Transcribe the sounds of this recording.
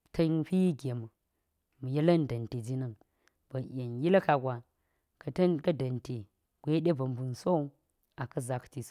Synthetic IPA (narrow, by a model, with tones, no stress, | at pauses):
tʰɐ˦ɸi˦ji˦ɡe˨mə˨ | mu˨jɐ˦lɐ˦n˦dɐ˨nte˨d͡ʒi˦nɐ˦˨ŋ | b̥ɐ˨jʲe˨nji˦lɐ˦ka˨ɡʷa˨ | kɐ˨tɐ˦nkɐ˦dɐ˨nte˨ | ɡʷe˦ɗe˦bɐ˨mbu˨nso˦ | a˨kɐ˦za˨˦kti˨s